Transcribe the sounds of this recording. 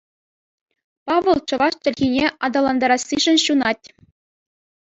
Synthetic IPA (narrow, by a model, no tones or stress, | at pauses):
pɑʋʲɤ̆lˠt͡ɕɤ̆ʋɑʂt͡ɕɘ̆lʲɣʲinʲeʔɑd̪ɑlˠɑnd̪ɑɾɑsːiʐɘ̆nɕunɑtʲ